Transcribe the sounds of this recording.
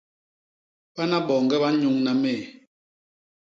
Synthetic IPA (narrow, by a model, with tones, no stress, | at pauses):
ɓa˦na˦ɓɔː˨ŋɡɛ˦ɓa˦ɲu˨˦ŋna˨meː˦˨